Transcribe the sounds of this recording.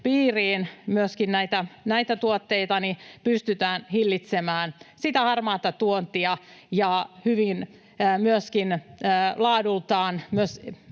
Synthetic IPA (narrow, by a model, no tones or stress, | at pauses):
piːriːnmyøskinnæit̪ænæit̪æt̪uot̪ːeit̪ɑnipyst̪yt̪æːnhilːit̪semæːnsit̪æhɑrmɑːt̪ɑt̪uont̪iɑjɑhyʋinː | myøskinːlɑːdult̪ɑːnmyøs